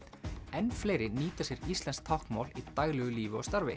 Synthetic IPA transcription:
ɛnfleːjɾɪniːt̪asjɛɾist̪lɛnsk̚t̪ʰawhkmaːwlit̪ajɣlɛɣʏliːvɪɔ̰st̪aɾvɪ̰

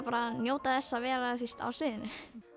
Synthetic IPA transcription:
paːɾanjoːwt̪aðɛsːaːvɛːɾaθir̥t̪a̰wsvɪːðɪnʏ

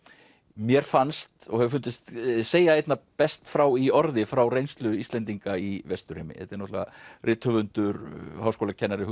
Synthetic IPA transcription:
mjɛɾ̥fanst̪ɔ̰ɣhɛvʏɾfʏnt̪ɪst̪seːjaejt̪napɛst̪fɾawiɔɾðɪfɾawrejnst̪lʏist̪lɛnt̪iŋkaivɛst̪ʏɾɪ̰mɪ̰hɛ̰t̪ɛɾnɔt̪lva̰rʔɪːt̪hœvʏnt̪ʏɾhawskowlacʰɛnːaɾɪɦ

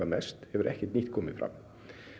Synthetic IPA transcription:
anɛst̪hɛʋɛɾʔɛhkət̪nɪt̪kʰɔmːɪfɾa̰m

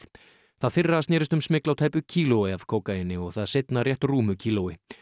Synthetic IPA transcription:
θaðθɪrːasnɛːɾɪst̪ʏmsmɪklawt̪ʰaːjpʏcʰiːlowɪav̥kʰoːwkajɪnːɪɔɣθaðsɪjt̪narjɛht̪ruːmʏcʰiːlowɪ

